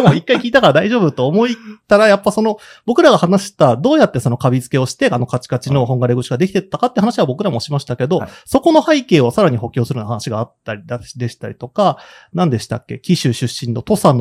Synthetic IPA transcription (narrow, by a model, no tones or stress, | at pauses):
moikːaikʲiːt̪akaɾad̪aiʑo̞ːbɯt̪o̞ːmo̞it̪aɾajapːaso̞no̞ | b̥o̞kɯ̟ɾaɡahanaɕi̥t̪ad̪o̞ːjat̪ːe̞so̞no̞kabʲid͡zɨ̥ke̞o̞ɕi̥t̪e̞ano̞kat͡ɕi̥kat͡ɕino̞ho̞ŋɡaɾeɡoɕiɡad̪e̞kʲi̥t̪e̞t̪ːakat̪eiɯ̟hanaɕiβabo̞kɯ̟ɾamo̞ɕimaɕi̥t̪ake̞d̪o̞so̞ko̞no̞haike̞ːo̞saɾaɲ̟iho̞kʲo̞ːsɨɾɯnahanaɕiɡaːt̪ːaɾʲid̪aɕd̪e̞ɕi̥t̪aɾʲit̪o̞ka | nãnd̪e̞ɕi̥t̪a̰kʲːe̞̰kʲiɕɨɕɨɕːĩnːo̞t̪o̞san